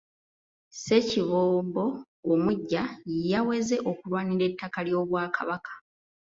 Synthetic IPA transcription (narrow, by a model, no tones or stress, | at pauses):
se̞ciβoːmbo̞ː | muɟːajejawe̞ze̞ʔo̞kulwaːniɾe̞tʰːakaljo̞ːβwaːkaβakʰḁ